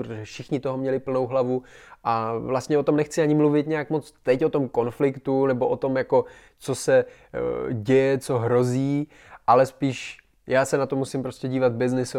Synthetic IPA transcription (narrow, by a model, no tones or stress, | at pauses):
pɾot̪oʒɛfʃɪxɲɪt̪oɦomɲɛlɪpl̩no̞wɦlavuʔavlast̪ɲɛo̞t̪omnɛxt͡sɪaɲɪmluvɪt̪ɲɛjakmot͡st̪ɛcʔot̪o̞mko̞nflɪkt̪unɛbo̞ʔot̪o̞mjako̞ | t͡so̞sɛ | ɟɛjɛt͡so̞ɦɾo̞ziː | ʔalɛspiːʃ | jaːsɛnat̪omusɪmpɾo̞scɛɟiːvad̪̚bɪznɪs